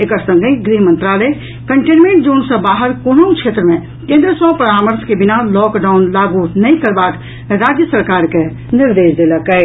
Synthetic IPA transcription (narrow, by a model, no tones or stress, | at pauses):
eːkəɾsə̃ŋɡəiɡɾiɦmə̃nt̪ɾaːle | kəɳʈenmẽɳʈ̚d͡ʒoːnsə̃baːɦəɾkonoũkt͡ʃʰeːt̪ɾəmẽ | kẽːnd̪ɾəsɔpəɾaːməɾskebɪnalɔkɖaːʊnlaːɡunəĩkəɾbaːt̪ | ɾaːd͡ʒjəsəɾkaːɾke | nɪɾd̪eːsd̪eləkɛɪ